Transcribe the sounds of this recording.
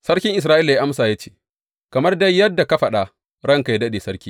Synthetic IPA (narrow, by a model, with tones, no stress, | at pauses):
sɐ˦ɽkʲɪ˦ŋʔɪ˨s̬ɾaː˦ʔiː˦la˨ja˦ʔa˦msaː˨ja˦t͡ʃeː˦˨ | kɐ˨mɐ˦rdɐ˦jːɐ˦dːa˨ka˦ɸɐ˨ɗa˨ | ɽɐ˦ŋka˨ja˦dɐ˦ɗeː˨sɐ˦ɽkʲiː˦